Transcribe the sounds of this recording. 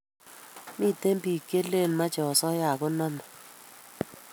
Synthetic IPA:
mi˦˨te˦mbi˨ke˦le˦˨n˨ma˦t͡ʃɛ˨ɔ˨sɔ˦ja˨kʊ˦na˦mɔ˨

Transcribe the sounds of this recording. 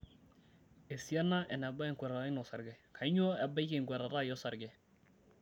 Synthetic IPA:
e˨sja˦na˦ʔɛ˨na˨ba˦˨ŋkwɛ˨ɾa˨˦i˦nɔ˨sa˨ɾɡɛ˨kʰa˨˦ɲɔ˦a˨ba˦ke˨ŋkwɛ˨ɾa˨ɾa˦jɔ˦sa˨ɾɡɛ˨

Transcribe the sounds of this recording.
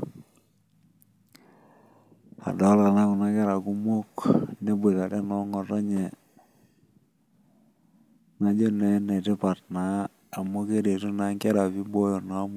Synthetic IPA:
a̰˨dɔ˦la˨na˦ku˨na˦kɛ˦ɾa˨ku˦mo˦knɛ˦be˨ta˨dɛ˦nɔ˨˦ŋɔ˨tɔ˦ɲɛ˨ | na˨d͡ʒo˦nɛ˦nɛ˨tɛ˦pa˨tnaː˨˦˨ | mo˦ke˦de˨tu˦na˦ŋkɛ˦ɾa˨pi˦bo˦jo˨na˦m˦

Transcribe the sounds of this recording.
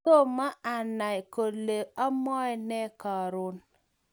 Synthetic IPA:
o˦˨ma˦a˨na˨i˨ko˨le˨a˦mɔ˦ɛ˦nɛ˦kɔ˨ɾʊ˦n

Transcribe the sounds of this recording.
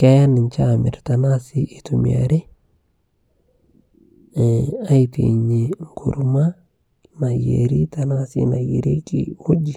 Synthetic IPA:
kɛ˦ja˦nɪ˨ɲt͡ʃa˦˨mɪ̰˨ɾta˨na˦si˦ʔi˨tu˨mia̰˨ɾe˦˨ | a˦itḛ˨ɲe˨ŋkʰṵ˨ɾma˦ | na˨jḛ˨ɾi˦ta˨na˦sḭ˦na˨je˨ɾe˦kḭ˨u˦d͡ʒi˨

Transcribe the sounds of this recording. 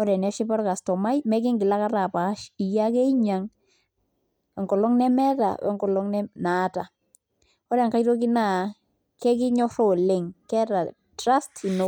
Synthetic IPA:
ɔ˦ɾɛ˨nɛ˦ʃi˦pɔ˦ɾka˨stɔ˨ma˦jmɛ˦k̬ɪ˦ŋɡɪ˨la˦ka˦ɾa˨pa˨˦ʃi˨ja˦kɛ˦i˦ɲa˨ŋ | ɛ˨ŋɡɔ˨lɔ˦ŋnɛ˦mɛ˦ta̰˨wɛ̰˦ŋɡɔ˨lɔ˦ŋnɛ˦na˨˦ta˨ | ɔ˦ɾɛ˨ŋka˦jɾo˦ki˦na˨ | kɛ˦kɪ˦ɲɔ˦so˦˨le˨ŋkɛ˦ɾa˨ | tɾa˦sti˨no˨

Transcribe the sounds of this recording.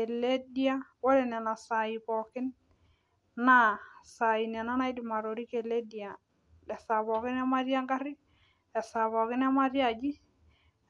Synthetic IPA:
ɛ˨le˦dia˦wɔ˦lɛ˨nɛ˨na˨sa˨i˨pɔ˨kɪ˦n | na˦sa˨i˨nɛ˨na˦na˦jdi˨ma˨ɾo˨ɾi˦ke˨le˦di˨a˨ | lɛ˨sa˨βɔ˨kɪ˦na˦ma˦ɾja˦ŋɡa˦ɾɪ˦ | ɛ˨sa˨βɔ˨kɪ˦na˦ma˦ɾja˦d͡ʒi˦

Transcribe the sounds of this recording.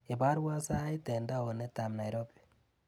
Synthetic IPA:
e˨ba˦ɾwa˦sa˦i˦tɛ˨nda˦o˨ne˦ta˨mna˨jɾo˦bi̥˨

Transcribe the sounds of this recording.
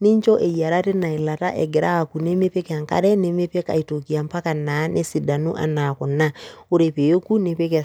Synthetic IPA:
ni˦ɲt͡ʃɔ˦ʔe˨ja˨ɾa˦te˦na˨i˨la˨ta̰˦ʔɛ˨ɡɪ˨ɾa˦˨ku˨ne˦me˦pe˦kɛ˨a˨ŋka̰˦ɾɛ˦ne˦me˦pe˦ka̰˨i˨to˨ki˨a˨mpa˦ka˨na˨˦nʔe˦si˨da˨nṵ˦ʔa̰˨na˨kʊ˨nːa˦o˦ɾe˨pe˨jo˦ku˦ne˨pe˦kɛ˨

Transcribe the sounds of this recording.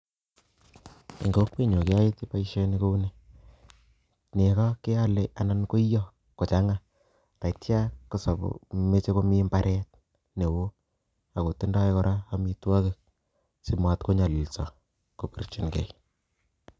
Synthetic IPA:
ḭ˨ŋɡo˦k̚pe˦˨ɲo˨ke˦a˦i˦ti˦pa˦iʃe˦ni˦ko˦u˦ne˨ | ne˨kɔ˦ke˦a˦le˦ʔa˨na˦nko˦i˦jɔ˦ | ko˨t͡ʃa˨˦ŋa˦ | ta˨itja˦ko˨sa˨po̰˨me˦t͡ʃe˦ko˦mi˦mba˦ɾʔɛ˦t̚ | ne˨wo˦ | a˨ko˨tːe˦nda˦e˦ko˦ɾʔa˦a˦mi˦twa˦ke˨k̚ | si˨mwa˨tko˦ɲa˨li˨lsɔ˨ | ko˨pḭ˨rt͡ʃi˨nkɛ̰˨

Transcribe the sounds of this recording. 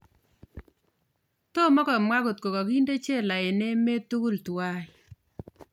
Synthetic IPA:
to˦mɔ˦kɔ˨mwa˦ku˨t̚ko˨kɔ˨ki˦nde˦t͡ʃe˦la˨e˨ne˦me˦tu˦ku˦ltwa˦ɪ˨

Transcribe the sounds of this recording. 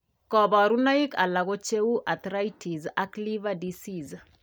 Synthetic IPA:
kɔ˨bɔ˨ɾu˦na˦i˦ka̰˨la˨ɡo˦t͡ʃe˦wu˦ʔa˨t̪ɾa˦itʰi˨za˦kli˦vadisiz

